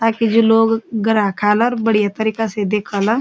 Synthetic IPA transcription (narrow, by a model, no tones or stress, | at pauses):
t̪aːkid͡ʒoloːɡɡɐɾãkʰaːlɔːɾbɐɽijat̪ɐɾiːkased̪eːkʰala